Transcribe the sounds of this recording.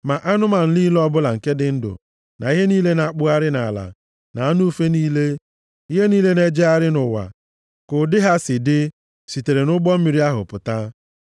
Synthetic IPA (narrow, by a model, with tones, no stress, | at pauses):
ma˨ʔa˦nʊ˦ma˨n̩˦li˦lɔ˦bʊ˦la˨ŋ̩˨ke˦dɪ˨n̩˦dʊ̰˨ | na˨i˦ɦe˦niː˦le˦na˨k͡pʊ˦a˦ɾɪ˦na˨la̰˨ | na˨a˦nu˦fe˦niː˦le˦ | i˦ɦe˦niː˦le˦ne˦d͡ʒe˦a˦ɾɪ˦nʊ˨wa̰˨ | kʊ˨dɪ˦ɦa˦sɪ˨dɪ˦ | si˨te˨ɾe˨nʊ˦ɡ͡bɔ˦m̩˦mi˨ɾi˦a˦ɦʊ˨pʊ˨ta˦